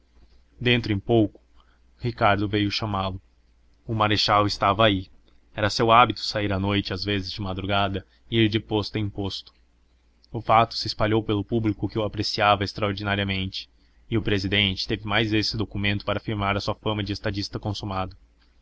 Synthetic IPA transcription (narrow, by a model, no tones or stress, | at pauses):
d̪ẽnt̪ɾʊẽpowkʊ̥ | hikaɾd̪ʊvejʊʃɐmalʊ | ʊmaɾeʃawɪst̪avɐai | ɛɾɐsewabit̪ʊ̥saiɾɐnojt͡ʃɪazvezɪzd͡ʒɪmad̪ɾuɡad̪ɐ | ɪiɾd͡ʒɪpost̪ʊɐ̃ĩpost̪ʊ̥ | ʊfat̪ʊ̥sɪːspaʎowpelʊpublikʊkɪʊapɾesiavɐest̪ɾɐoɾd͡ʒinaɾiɐmẽnt͡ʃɪ̥ | ɪʊpɾezid̪ẽnt͡ʃɪ̥t̪evɪmajzesɪd̪okumẽnt̪ʊ̥paɾɐafiɾmaɾɐsuɐfɐ̃mɐd͡ʒɪest̪ad͡ʒist̪ɐkõsumad̪ʊ